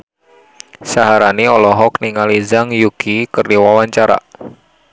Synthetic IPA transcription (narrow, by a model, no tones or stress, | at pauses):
saɦaɾaniɔlɔɦɔk̚niŋalizaŋjuɡ̥ikərniwawaɲt͡ʃaɾa̰ʔ